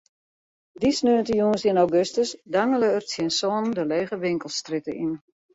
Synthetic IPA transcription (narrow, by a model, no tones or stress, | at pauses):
disnøːəntəjuːnsiənawɡøstəsdaŋələːrsjinsɔːnndəleːɣəʋɪŋkəlˠstritəʔin